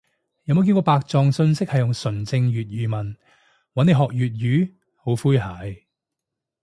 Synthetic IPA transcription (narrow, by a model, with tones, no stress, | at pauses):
jɐ˨˧mo˨˧wki˧nkɔː˧paː˧k̚t͡sɔː˨ŋsɵ˧nsɪ˥k̚hɐ˨jʊ˨ŋsɵ˨˩nt͡sɪ˧ŋjyː˨t̚ɥyː˨mɐ˨˩n | wɐ˨˥ne˨˧ɦɔː˨k̚jyː˨t̚jyː˨˥ | ho˨˥wfuː˥jɦaː˨˥j